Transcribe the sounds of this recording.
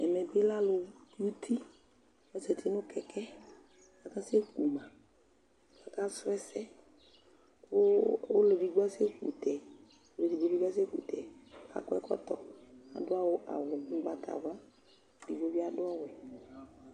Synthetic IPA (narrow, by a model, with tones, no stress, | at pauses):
ɛ̰˨mɛ˨be˦la˦lʊ˨˦u˦t̪ʰi˦ | wɛ˦sɛ˨t̪ʰi˦nʊ̃˦kɛ˨kɛ˦ | a˨ka˦se˦ku˨mã˨ | a˨ka˦sʊ˦ɛ˦sɛ˦ | wo˦wo˦le˨vi˨ɡ͡bo˦a˦se˦kṵ˨t̪ɛ˨ | o˦le˨vi˨bo˦vi˦ɡa˦s̬e˦kṵ˨t̪ɛ˨˦ka̰˨kɔ˦ɛ̰˦kɔ̰˦t̪ɔ˨a̰˨dʊ˦a˦wo˦ʔa̰˨wʊ˨o˦ba˨t̪ʰa̰˨va˦˨ | di˨bo˦vi˦a˦dʊ˦a˦wo˨